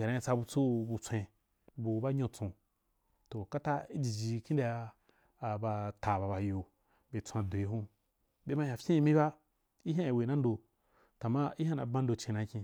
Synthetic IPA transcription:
a˨nã˧i˧t͡sa˧bu˧t͡so˦bu˧t͡sʷẽ˧ | bu˧ba˦ɲõ˧t͡sõ˧ | to˨ka˦ta˦i˦d͡ʒi˨d͡ʒi˧kĩ˦n˦a˧jaː˧˨ | ba˧ta˨ba˧ba˧jo˧ | be˨t͡sʷã˧do˨i˨hũ˦ | be˦ma˧jã˨fʲĩ˦i˧mĩ˦ba˦ | i˦ɦʲã˦ja˨we˨nã˦n˦do˧ | ta˨ma˦i˦hã˦nã̰˨˦bã˦n̩˦do˧t͡ʃẽ˧nã˧˦kʲĩ˧

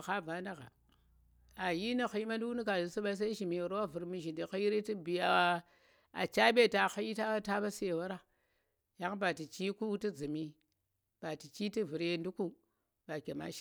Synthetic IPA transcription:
xa˦va˦na˦ɣa̰˨ | a˨ji˦ni˦xi˦i˦ma˦n˦du˦wu˦ni˦ka˨di˨su˦ɓa˦i˦s̬a˦i˦ʃi˨mi˨ɾa˦wa˦vu˨ɾmi˦ʒi˨ndi˨xa˦ji˦ɾi˦ti˦bi˨a˨ | a̰˨t͡ʃa˦ɓe˦˨ta˨xa˦ji˦ta˦ta˦ba˦se˨wa˦ɾa˦ | ja˦ŋ˦ba˨ti˨t͡ʃi˦ku˦ti˦d͡zi˨mi˦ | b̥a˨ti˨t͡ʃi˦ti˦vu˨ɾe˦ndu˦ku˦ | ba˨kʲe˨ma̰˦ʃ

